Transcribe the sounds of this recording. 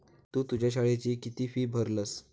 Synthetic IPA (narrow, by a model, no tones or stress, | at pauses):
t̪uːt̪ud͡ʑjaɕaɭat͡ɕiːkit̪iːfiːbʱəɾləs